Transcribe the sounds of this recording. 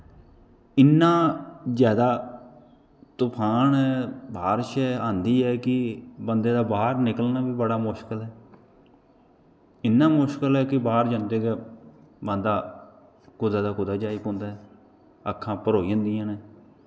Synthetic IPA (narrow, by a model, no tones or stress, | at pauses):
ɪnːãːzjaːd̪aː | t̪ʊpʰaːnɛːbʱaːɾʃɛːãːnd̪iːɦɛːkɪbənd̪eːd̪aːbaːɾnɪkəlnaːbiːbəɽaːmʊʃkəlɛː | ɪnːaːmʊʃkəlɛːkɪbaːɾd͡ʒãːnd̪eːɡɛː | bə̃nd̪aː | kʊd̪aːd̪aːkʊd̪aːd͡ʒaːiːkõːnd̪aːɦɛ | əkʰːãːpəɾoːiə̃nd̪ijãːneː